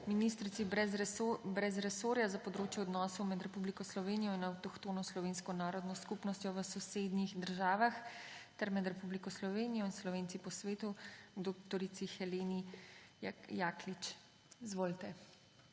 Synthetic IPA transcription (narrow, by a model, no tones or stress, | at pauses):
minist̪ɾit̪siɛbɾɛzɾɛsoːɾjazapɔd̪ɾoːt͡ʃjɛɔd̪nɔːsɔwmɛd̪ɾɛpublikɔslɔʋeːnijɔinawt̪ɔkt̪oːnɔslɔʋeːnskɔnaːɾɔd̪nɔskupnɔst̪ʲjɔʋəsɔsed̪nixd̪əɾʒaːʋaxt̪ɛɾmɛd̪ɾɛpublikɔslɔʋeːnijɔinslɔʋeːnt̪ipɔsʋeːt̪ud̪okt̪ɔɾit̪sixɛleːni | jaːklit͡ʃ | izʋoːlt̪ɛ